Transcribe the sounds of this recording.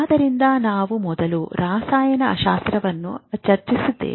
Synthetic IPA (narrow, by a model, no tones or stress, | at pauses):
d̪ɐɾind̪ɐnaːʋumɔd̪ɐluɾaːsaːjɐnɐʔɐ̰ʃaːst̪ɾɐʋɐnːṵt͡ʃɐɾt͡ʃisud̪ːḛː